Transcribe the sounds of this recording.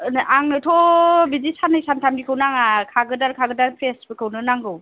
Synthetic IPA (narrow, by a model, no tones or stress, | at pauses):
aŋnɯtʰɔbidisanɯjsantʰamdikʰɯwnaŋakʰaɡɯdaɾkʰaɡɯdanpʰɾestbɯkʰɯwnɯnaŋɡɯw